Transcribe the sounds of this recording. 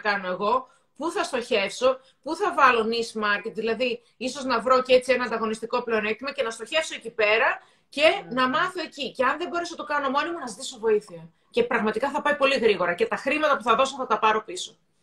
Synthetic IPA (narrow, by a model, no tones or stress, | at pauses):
kɐno̞e̞ɣo̞ | puθɐst̪o̞çe̞fso̞ | puθɐvɐlo̞nismɐɾcet̪ðilɐði | iso̞znɐvɾo̞cee̞t͡sie̞nɐnd̪ɐɣo̞nist̪ikople̞onekt̪imɐce̞nɐst̪o̞çe̞fso̞ecipe̞ɾɐ | ce̞nɐmɐθo̞e̞ciceɐnðe̞bo̞ɾe̞sonɐt̪okɐno̞mo̞nimunɐzt̪isovo̞iθiɐ | ce̞pɾɐɣmɐt̪ikɐθɐpɐipo̞liɣɾiɣo̞ɾɐce̞t̪ɐxɾimɐt̪ɐpuθɐðo̞s̬oθɐt̪ɐpɐɾo̞piso̞̥